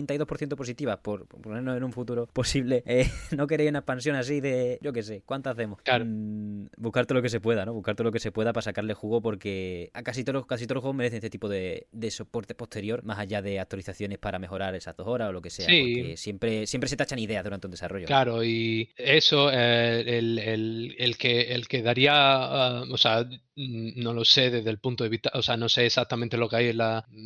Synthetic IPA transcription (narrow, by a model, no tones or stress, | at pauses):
nt̪ajðo̞hpo̞ɾθjent̪opo̞s̬it̪iβapo̞ɾpone̞ɾnose̞nũɱfut̪uɾo̞po̞siβle̞enok̬e̞ɾejsunaepans̬jo̞ŋas̬iðe̞ʝo̞ke̞s̬e̞kwant̪aaθe̞moha | buhkaɾt̪elo̞ke̞s̬e̞pwe̞ðano̞βukaɾt̪olo̞ke̞se̞pwe̞ðapasakaɾle̞xuɣo̞po̞ɾke̞akasit̪olokasit̪o̞loxwomeɾeθenest̪eipo̞ðe̞d̪e̞sopo̞ɾt̪e̞po̞ht̪ʰeɾjo̞ɾmasaʝaðe̞ak̚t̪waliθaθjo̞ne̞spaɾame̞xo̞ɾaɾe̞sazðo̞so̞ɾasolo̞ke̞ses̞aiesje̞mpɾe̞sje̞mpɾese̞t̪at͡ʃaniðe̞aðuɾant̪und̪e̞saro̞ʝklaɾo̞ie̞soeelelelkeelkeðaɾiaaosea | no̞lo̞se̞ðe̞zðe̞lpunt̪oðeiht̪aʔoseano̞se̞ːsak̚t̪amẽnt̪e̞lo̞keajela